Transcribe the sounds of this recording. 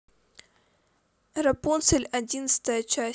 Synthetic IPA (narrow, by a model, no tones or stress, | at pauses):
rɐponselʲɐdʲinəsɨ̥t̪əjət͡ʃa